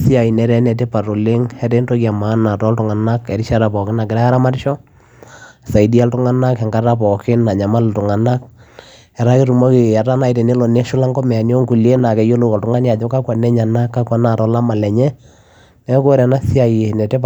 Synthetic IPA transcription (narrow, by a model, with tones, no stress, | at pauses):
si˦a˨i˨nɛ˨ɾɛ˦nɛ˨te˦pa˨ɾo˨lɪ˦ŋɛ˦tɛ˦nto˦ka˨ma˦na˨tɔ˦ltʊ˨ŋa˨na˦kɛ˨ɾi˦ʃa˦ɾa˨pɔ˨kɪ˦na˨kɪ˨ɾɛ˦kːa˦ɾa˦ma˦ɾɪ˦ʃɔ˦˨ | sa˨i˨di˦a˦ltʊ˦ŋa˦na˦kɛ˨ŋɡa˦ta˦pɔ˨kɪ˦na˨ɲa˨ma˦ltʊ˨ŋa˨na˦k̚ | ɛ˨ɾa˦ki˦ɾu˨mo˦ki˨a˨ta˦na˨i˨te˨ne˦lɔ˨ne˦ʃʊ˦la˦ŋɡɔ˦mɛ˨a˨njo˦ŋku˨le˦na˨kɛ˨jo˦lo˦kɔ˨ltʊ˨ŋa˦nja˨d͡ʒɔ˦ka˦kwa˨nɛ˦ɲa˨na˦kːa˦kwa˨na˨ɾɔ˦la˦ma˨lɛ˨ɲɛ˦ | nɛ˦ko˦ɾɛ˨na˦si˦a˨ji˨nɛ˨te˦p